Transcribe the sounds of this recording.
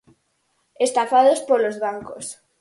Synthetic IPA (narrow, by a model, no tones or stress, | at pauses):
est̪afaðospolozβaŋkos